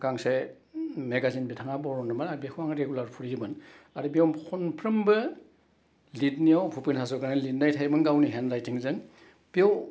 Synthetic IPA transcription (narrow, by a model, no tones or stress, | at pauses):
ɡaŋse | meɡazinbitʰaŋabɔɾɔnɯmanaɾbikʰuaŋɾeɡulaɾpʰuɾiibɯn | aɾibiɔwmkʰunpʰɾɯmbɯ | litniɔwpʰupinhazɔɡanɯlit̚najtʰajbɯnɡawniɦenɾajtʰiŋzɯn | b̥iɔw